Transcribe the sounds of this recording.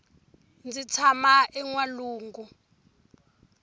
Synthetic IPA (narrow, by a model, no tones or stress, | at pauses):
nd͡zit͡sʰamaɛŋwaluːŋɡu